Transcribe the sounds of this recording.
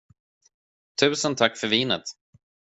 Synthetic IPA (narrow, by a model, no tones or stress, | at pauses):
t̪ʰʉ̟ːsənt̪ʰakːfœɾviːnə̰t̪